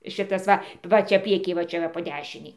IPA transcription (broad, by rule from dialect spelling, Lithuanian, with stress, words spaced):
ˈʃʲɪtɐs ˈʋɐ ˈʋɐ ˈt͡ʃʲɛ ˈpʲrʲiɛkʲiː ʋɐ ˈt͡ʃʲɛ ʋɐ poː ˈdʲæːʃʲɪnʲɛɪ